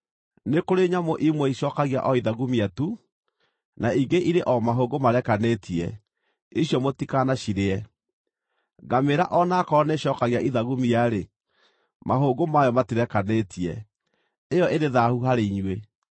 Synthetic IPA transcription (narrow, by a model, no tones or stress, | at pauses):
nekoɾeɲamoʔimwɛiʃɔkaɣia̰ʔɔiðaɣumiatu | naiɡeʔiɾeʔɔmaɦoɡomaɾɛkanetʰiɛ̰ | iɕjɔmotikanaɕiɾeɛ | ɡameɾaʔɔnakɔneɕɔːkaɣiaʔiðaɣumiaɾe | maɦoːɡomajɔmatiɾɛkanetʰiɛ | ejɔʔeɾeðahuɦaɾeiɲwe